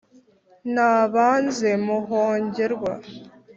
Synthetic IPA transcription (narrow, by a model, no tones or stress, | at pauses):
naːβaːnze̞muɦoːɲɟe̞ɾɡwa̰